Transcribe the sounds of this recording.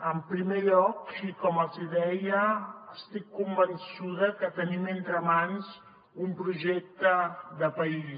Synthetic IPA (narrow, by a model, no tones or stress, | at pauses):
əmpɾimeʎɔkikɔməlziðɛjəːst̪ikːumbənsuðəkət̪əniment̪ɾəmans | umpɾuʒɛk̚t̪əðəpəi